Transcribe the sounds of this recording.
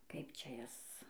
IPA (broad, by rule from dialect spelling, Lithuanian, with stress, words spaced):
ˈkɐɪp ˈt͡ʃʲɛ ˈjɛs